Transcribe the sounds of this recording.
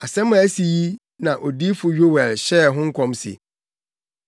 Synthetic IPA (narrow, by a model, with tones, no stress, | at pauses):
a˨sɛ̃˦mʊ̃˨æ˦si˨ji˦ | nã˨ʔo˨diː˦fʊ˨ɥᶣo˦wɛ˨lɕɛ˦˨ɦʊ̃˦ŋ̩˦kʰɔ̃˦msɪ̰˨